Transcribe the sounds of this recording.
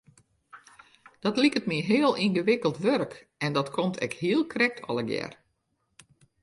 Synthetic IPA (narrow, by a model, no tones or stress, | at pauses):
d̥ɔtlikətmiɦɪəlˠinɣəʋɪkəlˠtʋørk | ɛndɔtkʰomtʰɛ̰khiəlˠkʰrɛk̚tʰɔ̰lˠəɡjɛ̰r